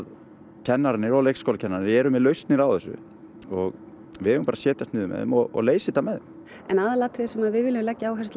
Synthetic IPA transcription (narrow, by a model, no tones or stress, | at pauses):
cʰɛnːaɾnɪɾɔlejkskowlacʰɛnːaɾnɪɛɾʏmɪðlœɥst̪nɪɾawθɛsːʏ̰ | ɔɣ | vɪðhɛːʏmpaːɾasjɛːt̪jast̪nɪːðʏmɛ̰ðɪ̰mɔɔ̰ɣleːjsɪt̪amɛðɪm | ɛnaːðalaːt̪ʰɾɪðsɛmaðvɪðvɪlɪmlɛcːaaːwɦɛst̪